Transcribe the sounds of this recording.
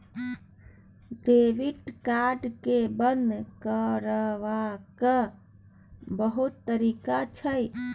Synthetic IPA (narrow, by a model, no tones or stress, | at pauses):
ɖeʋiʈkaɾɖkebənd̪kəɾəʋakə | bəɦut̪ːəɾikat͡ʃʰəj